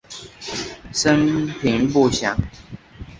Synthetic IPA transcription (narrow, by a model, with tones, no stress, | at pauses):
sə˦npʰi˨˦ŋpu˥˨ɕja˨˦ŋ